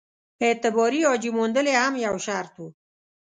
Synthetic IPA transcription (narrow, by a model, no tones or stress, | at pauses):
et̪ɪbɔɾiɔd͡ʒimond̪əlehamjawʃɑːɾt̪ʰu